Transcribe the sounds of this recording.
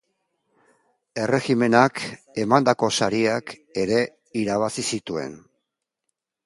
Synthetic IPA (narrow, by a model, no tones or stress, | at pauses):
e̞re̞xime̞nak | e̞mand̪ako̞saɾiake̞ɾe̞ | iɾaβ̞asisit̪ue̞̰n